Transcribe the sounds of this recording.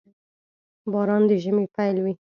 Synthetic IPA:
bɑɾɑnd̪əʒəmepajlwi

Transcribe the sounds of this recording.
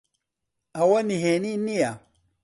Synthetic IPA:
awaniɦeninija

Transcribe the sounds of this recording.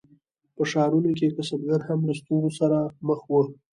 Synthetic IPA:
pəʃɑɾunok̬ekasabɡaɾhamləst̪uɾosaɾaməxwə

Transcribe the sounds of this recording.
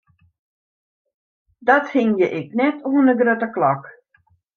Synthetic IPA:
dɔthɪŋjəʔɛk̚nɛtʰuənəɡrøtəklɔk

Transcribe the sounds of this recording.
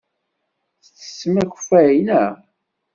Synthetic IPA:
θət͡sːə̥sːəmæç̥fæjnæ

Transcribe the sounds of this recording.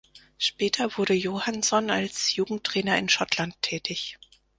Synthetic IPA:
ʃpɛːtʰɐvʊɐɾəjohansɔnalsjuːɡŋ̩tːʁ̥ɛːnɐɪnʃɔtlantʰːɛːtʰɪç

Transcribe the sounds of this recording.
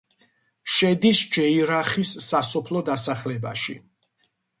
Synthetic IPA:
ʃɛd̪isd͡ʒɛiɾaχisːasɔpʰlɔd̪asaχlɛba̰ʃḭ

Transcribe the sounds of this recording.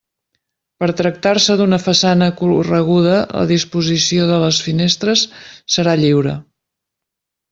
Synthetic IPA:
pəɾt̪ɾək̚t̪aɾsəðunəfəsanəkurəɣ̞uð̞ələ̰ðispuzisioðələsfinest̪ɾəsːəɾaʎiwɾə̰

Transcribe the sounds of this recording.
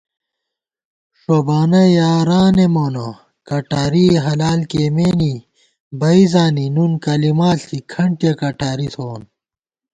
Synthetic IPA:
ʂobaːnɐjaːɾaːnemoːno | kɐʈaːɾiɦɐlaːlkemeːni | bɐizaːninunkɐlimaːikʰɐɳʈjɐkɐʈʰaːɾit̪ʰoːn

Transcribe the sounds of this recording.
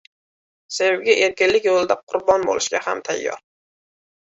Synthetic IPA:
sewɡʲaʔeɾkʲɪnlɪkʲjolˠd̪aqʰʊɾbɒnbo̰lʔɪʃɡʲaha̰mt̪ʰa̰jːɒ̰ɾ

